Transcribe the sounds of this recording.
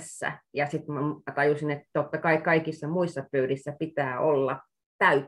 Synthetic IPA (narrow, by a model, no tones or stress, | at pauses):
sːæ̰jɑsit̪mæt̪ɑjusinet̪t̪ot̪ːɑkɑikɑikisːɑmuisːɑpøyrisːæpit̪æːʔolːɑ | t̪æy